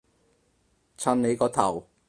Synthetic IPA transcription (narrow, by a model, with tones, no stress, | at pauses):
t͡sʰa˧nle˨˧kɔː˧t̪ʰɐ˨˩w